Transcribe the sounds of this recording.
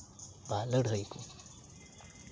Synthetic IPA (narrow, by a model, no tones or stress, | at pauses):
walʌɽʱʌjko